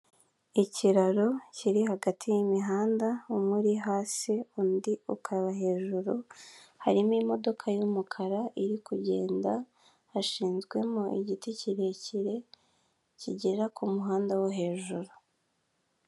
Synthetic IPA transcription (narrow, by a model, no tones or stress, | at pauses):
iciɾaɾo̞ciɾihaɡatʰijimiɦaːndaumuɾiɦaːsiundiukʰaβaɦe̞ːʒuɾuhaɾimimo̞do̞kʰajumukʰaɾaʔiɾikuɟe̞̰ːnda | haʃiːnzɡwe̞moʔiɟiticiɾe̞ciɾe̞ | ciɟeɾakʰumuɦaːndawoɦe̞ːʒuɾu